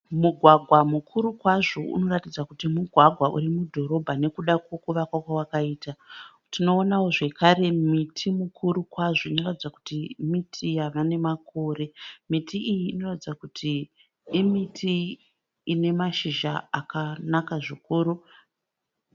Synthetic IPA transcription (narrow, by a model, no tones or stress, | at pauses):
muɡʱwaɡʱwamukʰuɾukwaʐoṵno̞ratid͡zakutimuɡʱwaɡʱwaʔṵrimudʱo̞ɾo̞bʱane̞kuɗakwo̞kuʋakwakwawakaiːta | tino̞ːnawoʐe̞kaɾe̞mitʰimukʰuɾukwaʐo̞ino̞ratid͡zaku̥timitʰijaʋane̞mako̞ːre̞mitiijiːno̞ratid͡zakutʰiː | mitʰiː | ne̞maʃiʒaakanakaʐikuːɾu